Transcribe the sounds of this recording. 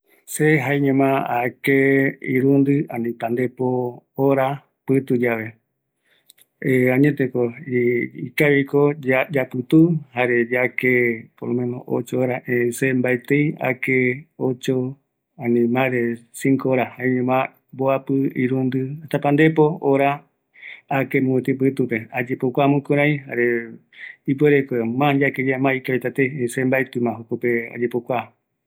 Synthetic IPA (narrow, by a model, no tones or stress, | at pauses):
seɦaeɲẽmãakeiɾũnd̪ɨãnĩpãnd̪e̞poːɾa | pɨt̪ud͡ʒaʋe̞ | ãɲẽt̪eko | ikaβikod͡ʒapɨt̪uhaɾed͡ʒakepolomẽno̰ʔo̰t͡ʃooɾaʔẽsembaet̪eja̰keot͡ʃo | anĩmãɾesiŋkoɾahaeɲũmã | mboapɨḭɾũnd̪ɨat̪apand̪epooɾa | akemũet̪ip̬ɨt̪upead͡ʒepokʷamũkoɾãĩɦa̰ɾe | ipweɾekomãd͡ʒaked͡ʒamãikaβat̪at̪eiesembaet̪ɨmãɦokopea̰d͡ʒepokʷa